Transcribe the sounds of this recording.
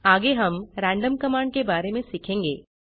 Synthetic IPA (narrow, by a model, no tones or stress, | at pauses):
aːɡeɦɐmɾɛ̃ːɳɖəmkɐmãːɳɖ̚kebaːɾemẽsikʰẽːŋɡḛː